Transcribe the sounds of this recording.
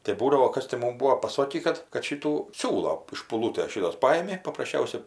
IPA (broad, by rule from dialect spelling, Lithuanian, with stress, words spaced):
tɐɪ ˈbuːdɐʋoː ˈkɐs tʲɪ ˈmʊm ˈbuːoː pɐˈsoːkʲiː ˈkɐt kɐt ˈʃʲɪtuː ˈsʲuːlˠoː ɪʃ ʃpʊˈlˠuːtʲeːs ˈʃʲɪtoːs ˈpɑːjɪmʲɪ pɐprɐsʲˈt͡ʃʲɛʊsʲɛ